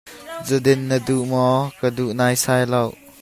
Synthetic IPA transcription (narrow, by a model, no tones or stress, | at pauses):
zədɪnːəduʔmɔkəduʔnaːjsajlɐw